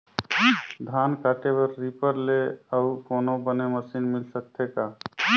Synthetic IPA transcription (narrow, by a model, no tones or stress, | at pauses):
d̪ʱaːnkaːʈebəɾːipəɾleəʊkoːnobəneməsiːnmɪlsək̚t̪ʰekaː